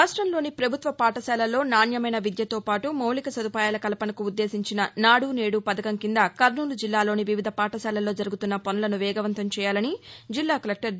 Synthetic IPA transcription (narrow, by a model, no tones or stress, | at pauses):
ɾaːʂʈɾɐmlo̞ːnipɾɐbʱut̪ʋɐpaːʈɐsɛːlɐlo̞ːnaːnjɐmɐjnɐʋid̪jɐt̪o̞ːpaːʈumɐwlikɐsɐd̪upaːjaːlɐkɐlɐpɐnɐkuːd̪ːe̞ːsiɲt͡ʃinɐnaːɽuːne̞ːɽupɐd̪ɐkɐŋkind̪ɐkɐɾnuːlud͡ʒilːaːloːniʋiʋid̪ʱɐpaːʈɐsaːlɐlo̞ːd͡ʒɐɾuɡut̪unːɐpɐnɐlɐnuʋɛːɡɐʋɐnt̪ɐmt͡ʃɛːjaːlɐnid͡ʒilːaːkɐlek̚ʈɐɾ